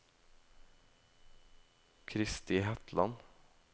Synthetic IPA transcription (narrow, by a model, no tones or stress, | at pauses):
kʰɾɪst̪ɪɦɛt̪ʰlɑ̰n